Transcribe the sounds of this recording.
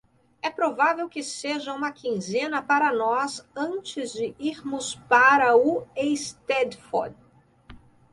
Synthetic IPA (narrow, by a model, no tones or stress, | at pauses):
ɛpɾovavewkɪseʒɐũmɐkĩzẽnɐpaɾɐnɔzɐ̃nt͡ʃɪzd͡ʒɪiɾmʊspaɾɐʊejst̪ɛd̪fɔ̰d̪